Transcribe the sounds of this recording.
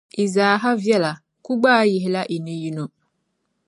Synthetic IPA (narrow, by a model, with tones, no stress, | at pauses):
i˨zaː˨ɦa˦vjɛ˦la˨ | ku˦ɡ͡baː˦jɪ˨ɦɪ˦la˦ʔi˨nɨ˦ji˦no˦